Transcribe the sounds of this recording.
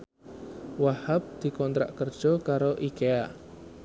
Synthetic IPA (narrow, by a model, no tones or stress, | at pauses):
wahap̚d̪̥i̤kɔnt̪ɾa̰ʔkərd̥ʒ̥ɔkaɾoʔikea